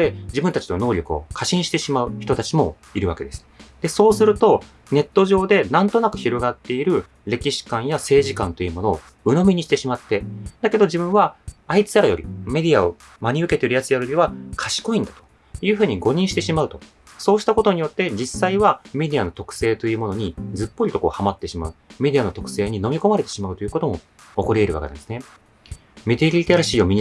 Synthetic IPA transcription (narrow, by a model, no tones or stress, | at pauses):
e̞d͡ʑibɯ̟̃nt̪at͡ɕino̞no̞ːɾʲo̞kɯ̟o̞̰kʰaɕĩɕi̥t̪e̞ɕimaɯ̟çi̥t̪o̞t̪at͡ɕimo̞̰ | iɾɯ̟βa̰ke̞d̪e̞sɨ̥d̪̥e̞so̞ːsɨɾɯ̟t̪o̞ | ne̞t̪ːo̞ʑo̞ːd̪e̞nãnt̪o̞nakɯ̟çiɾo̞ɡat̪ːe̞iɾɯ̟ | ɾe̞kʲiɕi̥kãɰ̃jase̞ːʑikã̰nt̪o̞jɯ̟mo̞no̞̰ː | ɯ̟no̞mʲiɲ̟iɕi̥t̪e̞ɕimat̪ːe̞d̪̥ake̞d̪o̞ʑibɯ̟̃ɰ̃βaait͡sɨ̥aɾajo̞̰ɾʲḭme̞d̪ʲiao̰ | maɲ̟iɯ̟ke̞t̪eiɾɯ̟jat͡sɨjaɾoɾʲiβakʰaɕi̥ko̞ĩnd̪at̪o̥ | jɯ̟ːɸɯ̟ːɲ̟iɡo̞ɲ̟ĩɕi̥t̪e̞ɕimaɯ̟t̪o̞ | so̞ːɕi̥t̪ako̞t̪o̞ɲ̟ijo̞t̪ːe̞d͡ʑisaiβame̞d̪iano̞t̪o̞kɯ̟̥se̞ːt̪o̞jɯ̟ːmo̞no̞ɲ̟id͡zɨpːo̞ɾʲit̪o̞ko̞̰ːhamat̪ːe̞ɕima̰ɯ̟mʲe̞d̪iano̞t̪o̞kɯ̟̥se̞ːɲ̟ino̞mʲiko̞maɾe̞t̪e̞̥ɕimaɯt̪o̞jɯ̟ko̞t̪o̞mo̞ | okoɾʲeeɾɯ̟βa̰kea̰nd̪esɨne | mʲit̪eɾʲit̪aɾaɕiːo̞mʲiɲ